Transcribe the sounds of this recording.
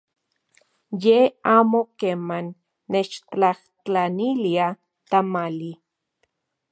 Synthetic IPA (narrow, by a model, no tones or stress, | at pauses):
jeaːmokemanː | et͡ʃt͡ɬaht͡ɬanilia | t̪amali